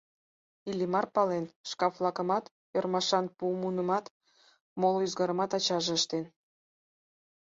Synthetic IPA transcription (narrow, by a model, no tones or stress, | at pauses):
ilʲimɑrpɑlenʃkɑflˠɑkə̆mɑt̪ | ørmɑʃɑnpumunəmɑt̪ | moloyzɡɑɾəmɑt̪ɑt͡ɕɑʒeəʃt̪en